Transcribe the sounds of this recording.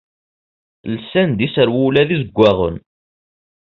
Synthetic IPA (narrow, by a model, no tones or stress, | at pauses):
lsænd̪isəɾwulæðizəɡʷːæʁə̰n